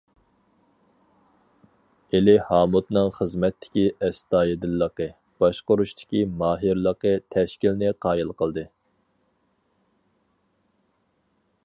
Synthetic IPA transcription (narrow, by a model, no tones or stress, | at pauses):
elɪhɑːmut̪nɨŋχəzmɛt̪ʰːɪ̥kʲiʔɛst̪ɑːjid̪ɪlːəqə | b̥ɑʃqʊɾuʃt̪ʰɪ̥kʲimɑːɦiɾlˠəqət̪ʰɛʃkʲilnɪqʰɑːjilˠqəlˠd̪ɨ